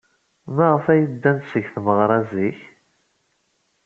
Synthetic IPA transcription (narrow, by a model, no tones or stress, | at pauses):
mæʁəfæjəd̪ːænsəʝθməʁɾˤɑziç